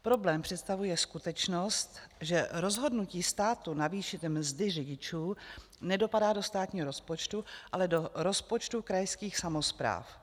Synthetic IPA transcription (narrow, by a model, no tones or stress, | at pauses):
pɾo̞blɛːmpr̝̥ɛt̪st̪avujɛskut̪ɛt͡ʃnost̪ʒɛɾo̞zɦo̞dnuciːst̪aːt̪unaviːʃɪt̪mzdɪrɪɟɪt͡ʃuː | nɛdo̞padaːdo̞st̪aːt̪ɲiːɦoɾo̞spo̞t͡ʃt̪uʔalɛdo̞ɾo̞spot͡ʃt̪ukɾajskiːxsamo̞spɾa̰ːf